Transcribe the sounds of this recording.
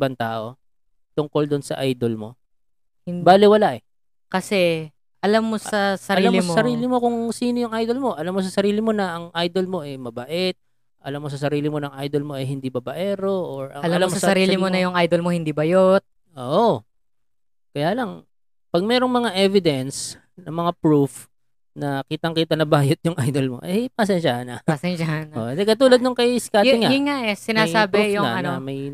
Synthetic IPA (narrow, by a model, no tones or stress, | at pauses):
bɐŋt̪a̰ːʔo̞ | t̪ʊŋko̞ld̪ʊnsɐ̰ʔajd̪olmo̞̰ | hɪbaːlɪwɐlaʔɛ | kɐsɛ | ʔɐlamːosɐsɐɾɐlamlmsɐɾiːlɪmo̞kʊŋsiːnojʊŋʔajd̪o̞lmo̞ʔɐlamːo̞s̬ɐsɐɾiːlɪmo̞nɐʔɐŋʔajd̪o̞lmo̞ʔɛmɐbɐʔɛt̪̚ | ʔɐ̰lamːo̞sɐsɐɾiːlɪmo̞nɐŋʔajd̪o̞lmo̞ʔɐjɦɪnd̪ibɐbɐʔɛːɾoʔoɹɐ̰ŋɐllɐmlamosɐsɐɾiːlɪmonɐjʊŋʔajd̪olmohɪnd̪iːbɐjot̪̚ | ʔoːʔo | kɐjaːlɐŋ | pɐɡ̚mɛːɾo̞ŋmɐŋaʔɛvɪd̪ɛns | nɐŋmɐŋapɹuf | nɐkiːt̪ɐŋkiːt̪ɐnɐbaːjot̪̚jʊŋʔajd̪olmo̰ʔɛjpɐs̬ɛnʃahnɐ̰pɐsɛnʃahanɐoɛnd̪ɛkɐt̪uːlɐd̪̚noŋkɐskaːɪŋaʊŋːaʔɛsɪnaːsaːbɪufjʊɐɐnoɐmɐj